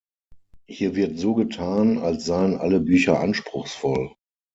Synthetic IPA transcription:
hiːɐvɪɐtz̥oːɡətʰaːnalsz̥aɪənʔa̰ləbyːçɐʔa̰nʃpʁ̥ʊxsfɔl

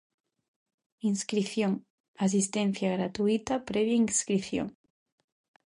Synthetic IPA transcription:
inskɾiθjoŋ | as̬ist̪en̟θjaɣɾat̪uit̪apɾeβ̞jaiŋskɾiθjo̰ŋ

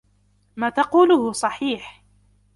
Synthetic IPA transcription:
maːt̪ɑquːlʊhʊsˤɑħiːħ

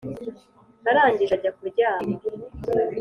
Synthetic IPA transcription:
naɾaːɲɟiʒaɟakuɾɟaːmo

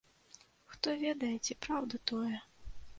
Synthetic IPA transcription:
xt̪ɔvʲɛd̪ɐjɛt͡sʲɛpɾawd̪ɐt̪ɔjɛ

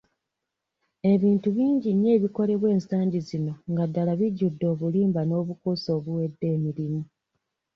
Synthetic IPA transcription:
e̞βiːntuβiːɲɟiɲːe̞ːβiko̞le̞βwe̞ːnsaːɲɟizino̞ŋɡadːalaβiɟːudːo̞ːβuliːmbano̞ːβukuso̞ːβuwe̞dːe̞ːmiɾimu

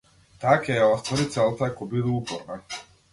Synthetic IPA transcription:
t̪akajaɔst̪vɔɾit̪sɛlˠt̪akɔbid̪uupɔɾna

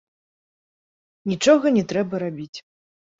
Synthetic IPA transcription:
nʲit͡ʂɔɣɐnʲɛt̪ɾɛbɐɾabʲit͡sʲ

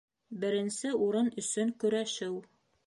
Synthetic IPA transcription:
bɘ̆ɾɘ̆nsɘuɾɤnɵ̆sɵŋkɵ̆ɾæʃɘw

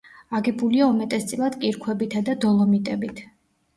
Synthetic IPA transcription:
aɡɛbuliaumɛt̪ʼɛst̪sʼilˠad̪kʼiɾkʰwɛbit̪ʰad̪ad̪ɔlˠɔmit̪ʼɛbit̪ʰ

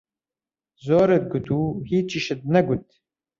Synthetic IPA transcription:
zoːɾet̪̚ɡut̪uːhiːt͡ʃiʃɨt̪̚nɛɡut̪

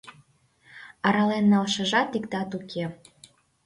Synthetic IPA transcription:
ɑɾɑlenːɑlʃə̆ʒɑt̪ikd̪ɑt̪ukʰe

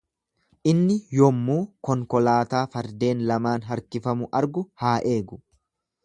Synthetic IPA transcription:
ʔɪnːɪjɔmːuːkɔŋkɔlaːt̪aːfɐɾd̪e̞ːnlɐmaːnɦɐɾkɪfɐmʊʔɐɾɡʊhaːʔe̞ːɡʊ̥

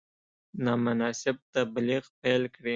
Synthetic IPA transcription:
nɑmʊnɑsɪb̚t̪abliɣpajlkɽi

